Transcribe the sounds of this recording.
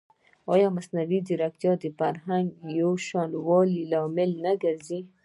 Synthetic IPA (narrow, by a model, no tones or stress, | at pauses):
ɑjɔmasnawid̪iɾak̚t̪jɔd̪ifaɾɦaŋɡjoʃɑnwɔlilɑmɪlnaɡaɾzi